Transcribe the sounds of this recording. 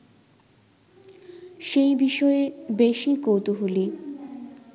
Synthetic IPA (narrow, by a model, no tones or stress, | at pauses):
ʃejbiʃɔebeʃikowt̪uɦuli